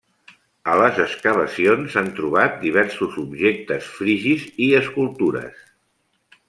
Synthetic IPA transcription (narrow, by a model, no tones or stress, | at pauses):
ələzəskəβ̞əsionsant̪ɾuβ̞at̪̚d̪iβ̞ɛɾsuzubʒek̚t̪əsfɾiʒiziəskulˠt̪uɾə̰s